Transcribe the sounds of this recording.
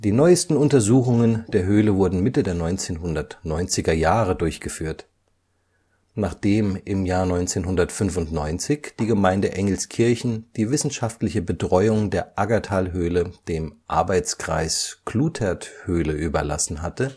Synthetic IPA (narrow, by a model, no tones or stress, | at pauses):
d̥iːnɔʏəstn̩ʊntɐzuːχʊŋənd̥eːɐɦøːləvʊɐdn̩mɪtədeːɐnɔʏnt͡seːnɦʊndɐtnɔʏnt͡sɪɡɐjaːʁədʊɐçɡ̥əfyːɐt | naːχd̥eːmɪmjaːɐnɔʏnt͡seːnɦʊndɐtfʏnfʊntnɔʏnt͡sɪçd̥iːɡəmaɪndəʔɛŋl̩skʰɪɐçn̩d̥iːvɪsn̩ʃaftlɪçəbətʁ̥ɔʏʊŋdeːɐʔaɡatʰaːlɦøːləd̥eːmʔa̰ɐbaɪt͡skʁ̥a̰ɪskʰl̥uːtʰɛɐthøːləʔyːbɐ̰la̰sn̩ɦatə